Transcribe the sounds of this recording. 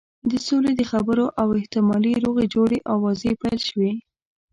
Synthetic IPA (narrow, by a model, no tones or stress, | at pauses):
d̪əsoled̪əxabəɾoʔawɪht̪ɪmɑliɾoɣed͡ʒoɽeʔawːɑzepajlʃəwe